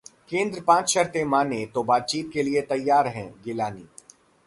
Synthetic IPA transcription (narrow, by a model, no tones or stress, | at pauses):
kẽːnd̪ɾəpãːt͡ʃʃɐɾt̪emaːnet̪obaːt̪̚t͡ʃiːt̪̚keliet̪ɐjːaːɾɦɛ̰̃ːɡɪlaːniː